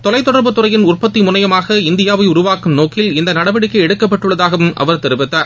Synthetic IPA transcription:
t̪ɔlɐɪt̪ːɔɽɐɾbɯt̪ːɯɾɐjɪnʊrpɐt̪ːimʊnɐjɐmaːɣɐɪnd̪ɪjaːʋɐɪʊɾʊʋaːkɯmnoːkːɪlɪnd̪ɐnɐɽɐbɐɽɪkːɯɛɽɯkːɐpːɐʈːɯɭːɐðaːɣɐʋɯmʔɐ̰ʋɐɾt̪ɪɾɯbɪt̪ːaː

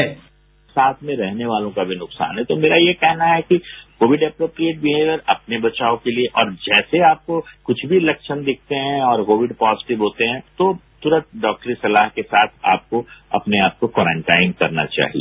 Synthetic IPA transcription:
ɛ | saːt̪ʰmẽɾɛɦneʋaːlõkabʱinʊqsa̰ːnɦɛt̪omeːɾajekɛɦnaɦɛkikoːʋɪɖɛːpɾoːpɾieːʈ̚bʱiɦɛɡəɾɐp̚nebɐt͡ʃaːokelieʔɔːɾd͡ʒɛːseaːp̚kokʊt͡ʃʰbʱilɛkʃənd̪ɪk̚ʰt̪eɦɛ̃ɔːɾkoːʋɪɖpɔːzɪʈɪʋɦoːt̪eɦɛ̃t̪ot̪ʊɾət̪ɖɔːk̚ʈɾisɐlaːɦkesaːt̪ʰa̰ːp̚koɐ̰pneaːp̚kokɔːɾə̃ɳʈaːɪ̃nkɐɾna̰t͡ʃa̰ːɦḭḛː

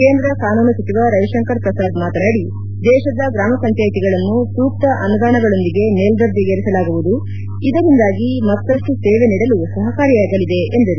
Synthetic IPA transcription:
ke̞ːnd̪ɾɐkaːnuːnɐsɐt͡ʃiʋaɾɐjɐʂɐŋkɐɾpɾɐsaːd̪maːt̪ɐnaːɽi | d̪ɛːʃɐd̪ɐɡɾaːmɐsɐɲt͡ʃjaːjit̪iɡɐɭɐnːusuːk̚t̪ɐʔɐnud̪aːnɐɡɐɭo̞nd̪iɡe̞neːld̪ɐɾd̪iɡeːɾɛsɐlaːɡuʋud̪u | id̪ɐɾind̪aːɡimɐt̪ːɐʂʈuseːʋe̞niːɽɐlusɐɦɐkaːɾijaːɡɐlid̪e̞ʔend̪ɐɾu

